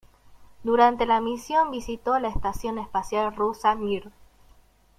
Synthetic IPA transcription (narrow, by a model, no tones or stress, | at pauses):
d̪uɾant̪elamisjo̞mbisit̪olaest̪asjo̞nespasjalrusamiɾ